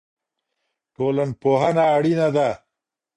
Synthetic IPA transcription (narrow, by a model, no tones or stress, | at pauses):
ʈoːlanpoɦanaːɽinad̪a